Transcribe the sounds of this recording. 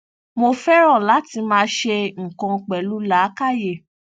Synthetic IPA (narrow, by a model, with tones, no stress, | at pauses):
mo˧fɛ˦ɾɔ̃˦˨la˨˦ti˧mãː˦ʃe˧ŋ̩˨kɔ̃˧k͡pɛ˨lu˦la˨˦ka˦˨je˦˨